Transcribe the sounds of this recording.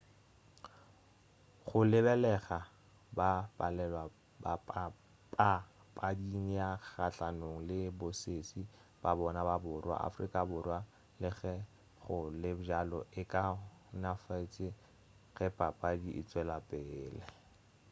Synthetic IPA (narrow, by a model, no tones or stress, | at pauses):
χʊlɪbɛlɛχa | bapʼalɛlwa | ba | pʼa | pʼadiŋijaχat͡ɬanoŋ̩lɪbosesi | b̥abɔnababʊrwa̰a̰frikʼabʊrwa | lɪɣɛ | χʊlɪbd͡ʒalɔ̰ʔɪkʼa | nafaitʰʼɪ | ɣɛpʼapʼadiʔɪ̰t͡sʼwɛlapʼɛːlɛ